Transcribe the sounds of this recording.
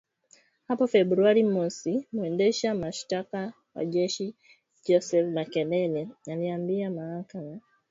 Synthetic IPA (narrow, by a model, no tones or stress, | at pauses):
hapɔfɛbɾuaɾimwɛsimuɛndɛʃamaʃtaka | wa̰ʄɛʃi | d͡ʒɔsɛfmakɛlɛlɛaliambiamahakama